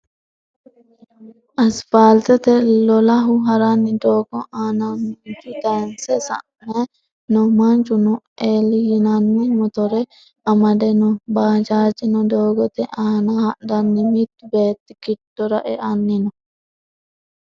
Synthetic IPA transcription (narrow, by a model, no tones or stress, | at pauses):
ʔɐsbaːlt̪ɛt̪ɛlɔlɐɦʊɦɐɾanːɪd̪oːɡɔʔaːnɐnnd͡ʒʊt̪ɐnsɛsɐ̰ʔmɐ | nɔmɐnt͡ʃʊnuʔeːlijɪnɐnːimɔt̪ɔɾɛ | ɐmɐd̪ɛnɔbaːd͡ʒaːd͡ʒɪnɔd̪oːɡɔt̪ɛʔaːnahɐʔd̪ɐnːɪmit̪ːbeːt̪ːɪkɪtːɔɾɐʔɛʔɐnːinɔ